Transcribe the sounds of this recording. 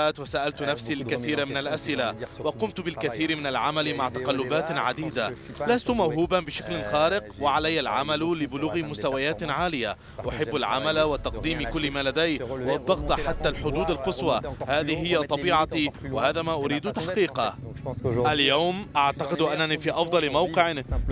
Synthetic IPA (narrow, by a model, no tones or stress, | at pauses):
aːt̪wasaːʔalt̪nafsiːlɪkaθiːɾamɪnalʔasʔɪlawɑqʊmt̪bɪlkaθiːɾmɪnalʕamalmaʕt̪ɑqɑlːʊbaːt̪ʕad̪iːd̪alast̪ʊmawɦuːbabɪʃaklɪxaːɾɪqwɪʕalajːalʕa̰mallɪbʊluːɣɪmʊst̪awajaːt̪ʕaːlɪja | wʔaħɪbːalʕa̰malawat̪ːɑqd̪iːmkʊlːɪmaːlad̪ajwɑd̪ˤːɑɣt̪ˤħat̪ːalħʊd̪uːd̪alqɨsˤwɑhaːðɪhɪjːat̪ˤɑbiːʕɑt̪iwahaːðaːmaːʔʊɾiːd̪t̪aħqiːqɑ | ʔaljawmʔaʕt̪aqɪd̪ʔanːaniːfiːʔɑfd̪ˤɑlmawqɪʕ